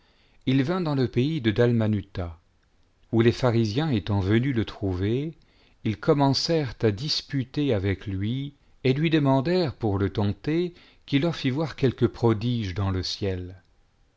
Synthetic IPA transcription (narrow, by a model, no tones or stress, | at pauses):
ilvɛ̃d̪ɑ̃ləpeid̪əd̪almanyt̪a | ulefaʁizjɛ̃et̪ɑ̃vənylət̪χuve | ilkʰɔmɑ̃sɛʁt̪ad̪ispyt̪eavɛklɥi | elɥid̪əmɑ̃d̪ɛʁpuʁlət̪ɑ̃t̪e | kʲilːœʁfivwaʁkʲɛlkəpχɔd̪iʒd̪ɑ̃ləsjɛl